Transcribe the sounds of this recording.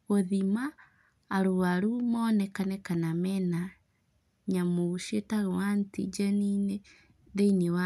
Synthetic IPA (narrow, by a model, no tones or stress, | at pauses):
ɣoðimaː | ɾoaɾumɔːnɛkanɛkanamɛna | ɲamoʃetaɣɛwantḭd͡ʒɛnine | ðeinewa